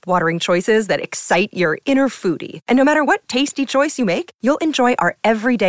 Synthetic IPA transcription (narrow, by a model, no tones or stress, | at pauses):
wɔɾə˞ɪ̃ŋt͡ʃʰɔɪsɪzðɨɾɨ̰ksaɪt͡ʃə˞ɪ̃ɾ̃ə˞fuɾḭʔɨ̃noʊmæɾə˞wʌtʰeɪstit͡ʃʰɔɪsjɨmeɪkjulˠɨ̃nd͡ʒɔɪʔa̰˞ɛvɹide